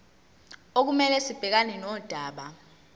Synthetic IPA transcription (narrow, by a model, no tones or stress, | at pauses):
ok̬umɛlɛsib̥ʱɛk̬aninɔd̥ʱaːɓa